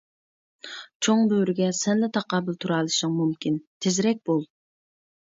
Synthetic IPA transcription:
t͡ʃʰoŋbøɾɪɡʲɛsɛnlɛt̪ʰɑqɑːbɨlˠt̪ʰuɾɑːlˠɨʃɪŋmumkʲint̪ʰezɾɛk̚ʲbolˠ

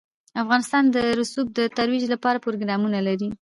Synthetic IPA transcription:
afɣɑnɪst̪ɑnd̪əɾʊsub̚d̪ət̪aɾwid͡ʒlapɑɾapoɾoɡɾɑmunalaɾi

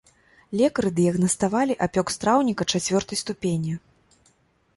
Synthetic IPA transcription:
lʲɛkɐɾɨd̪ɨjɐɣnɐst̪avalʲiʔapʲɔkst̪ɾawnʲikɐt͡ʂat͡sʲvʲɔrt̪ɐjst̪upʲenʲi

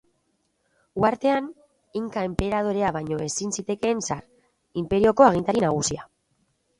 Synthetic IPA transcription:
uaɾt̪e̞an | iŋkae̞mpe̞ɾað̞o̞ɾe̞aβajɲo̞e̞sinsit̪e̞ke̞nsar | impe̞ɾio̞ko̞aɣ̞int̪aɾinaɣ̞usia

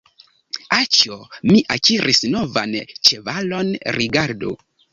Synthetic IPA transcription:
at͡ʃomiʔakiɾʔisno̞vant͡ʃe̞valo̞nɾiɡaɾdṵ

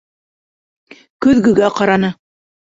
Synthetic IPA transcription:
kɵ̆ðɡɵ̆ɡæqɑɾɑnɤ

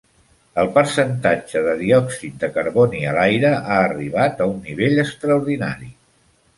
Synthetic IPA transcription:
əlˠpəɾsənt̪ad͡ʒəðəðiɔksit̪̚d̪əkəɾβɔniəlajɾəʔaːriβ̞at̪əunːiβeʎəst̪ɾəuɾðina̰ɾi

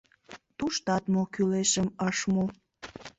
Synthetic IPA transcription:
t̪uʃt̪ɑt̪mokyleʃəməʃmo

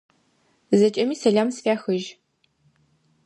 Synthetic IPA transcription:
zɐt͡ʃʼɐmiːsɐɮaːmsfaːxɨʒ

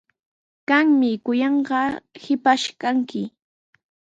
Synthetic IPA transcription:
kaŋmɪkʊjɑɴɢɑhɪpaʃkaŋkɪ

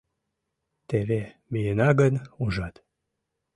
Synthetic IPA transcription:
t̪eβe | mijenɑɡənuʒɑt̪

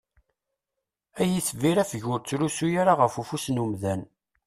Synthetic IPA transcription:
æjiθviɾæfəʝʊɾt͡sːlusujaɾaʁəfufusnumðæn

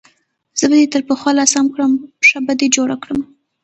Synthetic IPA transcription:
z̥əbad̪et̪əɾpəxwɑlɑsamkɽəmʂabad̪ed͡ʒoɽakɽəm

